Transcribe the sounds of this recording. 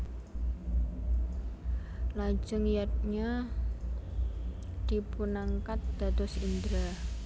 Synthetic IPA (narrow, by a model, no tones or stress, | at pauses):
lḁd͡ʒəŋjat̪̚ɲa | d̪̥ipunaŋkat̪̚d̪̥a̤t̪ʊsind̪ɾa